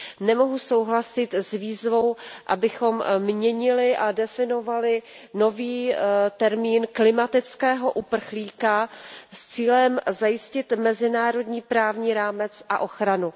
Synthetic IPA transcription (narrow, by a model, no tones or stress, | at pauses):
nɛmo̞ɦusowɦlasɪt̪zviːzvo̞wʔa̰bɪxo̞mmɲɛɲɪlɪʔadɛfɪnovalɪ | no̞viːt̪ɛɾmiːnklɪmat̪ɪt͡skɛːɦo̞ʔupr̩xliːkast͡siːlɛmzajɪscɪt̪mɛzɪnaːɾo̞dɲiːpɾaːvɲiːɾaːmɛt͡sʔa̰ʔo̞xɾanu